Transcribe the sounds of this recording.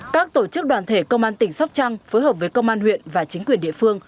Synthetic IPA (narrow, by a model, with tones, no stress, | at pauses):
kaː˦˥k̚t̪o˧˩t͡ɕɨ˦˥k̚ɗwaː˨˩nt̪ʰe˧˩kə˧wŋ͡mʔaː˧nt̪ï˧˩ŋ̟sa˦˥wk͡p̚t͡ɕa˧ŋfoː˨˦jɦəː˨˩p̚vəː˨˦jkə˧wŋ͡mʔaː˧nhwḭ˧˨ənvaː˨˩t͡ɕï˨˦ŋ̟kwi˨˩ənɗḭ˧˨əfɨ˧əŋ